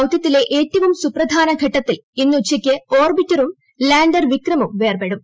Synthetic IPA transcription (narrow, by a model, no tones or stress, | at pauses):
ɐwt̪jɐt̪ːile̞ʔeːtːɐʋumsuprɐd̪ʱaːnɐɡʱɐʈːɐt̪ːilinːuut͡ɕːɐkʲːɨo̞ːrbitːɐɾum | laːɳɖɐrʋikrɐmumʋe̞ːrbeɽum